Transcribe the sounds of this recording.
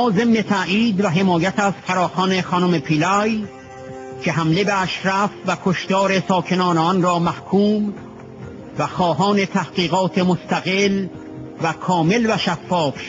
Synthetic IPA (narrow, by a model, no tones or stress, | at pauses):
ze̞mne̞t̪ʰæʔʔiːd̪væɦe̞mɒːjæt̪ʰæzfæɾɒːxɒːne̞xɒːnomepʰilɒj | cʰe̞ɦæmle̞beæʃɾæfvækʰoʃt̪ɒːɾe̞sɒːkʰe̞nɒːneɒnɾɒːmæhkʰuːm | væxɒːɦɒːne̞t̪ʰæhɢ̥iːɣɒːt̪ʰemost̪æɣel | vækʰɒːme̞lvæʃæfːɒːfʃ